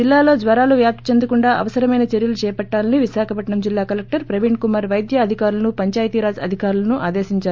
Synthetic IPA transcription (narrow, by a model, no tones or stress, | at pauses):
d͡ʒilːaːlo̞ːd͡ʒ̪ʋɐɾaːluʋjaːp̚t̪ɐt͡ʃend̪ukuɳɖaːʔɐ̰ʋɐsɐɾɐmɐjnɐt͡ʃeɾjɐlut͡ʃɛːɐpɐʈːaːlɐniʋiʃaːkʰɐpɐʈɳɐmd͡ʒilːaːkɐlek̚ʈɐɾpɾɐʋiɳɖkumɐɾʋɐjd̪jɐːd̪ʱikaːɾulɐnupɐɲt͡ʃaːjt̪iːɾaːd͡ʒɐ̰d̪ʱikaːɾulɐnuʔaːd̪eːsiɲt͡ʃaːɾu